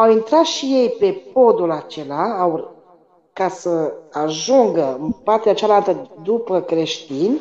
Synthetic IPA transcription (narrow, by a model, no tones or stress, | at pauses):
awint̪ɾat̪ʃije̞jpe̞po̞d̪ulat͡ʃe̞laaw | kasəaʒuŋɡəɨnpart̪eat͡ʃalalt̪əd̪upəkɾe̞ʃt̪inʲ